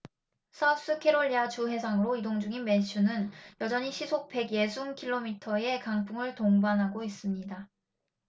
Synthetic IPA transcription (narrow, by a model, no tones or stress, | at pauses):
sʰʌp̚s͈ɯkʰe̞ɾoʎːiat͡ɕuɦe̞sʰaŋɯɾoidoŋd͡ʑuŋinme̞nɕʰunɯnjʌd͡ʑʌɲiɕʰisʰok̚pe̞ɡje̞sʰuŋkʰiɭːomitʰʌe̞kaŋpʰuŋɯɭtoŋbanɦaɡois͈ɯmɲida